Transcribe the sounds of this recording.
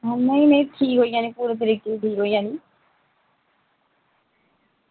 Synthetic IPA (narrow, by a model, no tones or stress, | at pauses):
əmẽinẽʈʰiːkɦoːijãːnĩːpuːɾeːt̪̬əɾiːkeiʈʰiːkɦoːijãːniː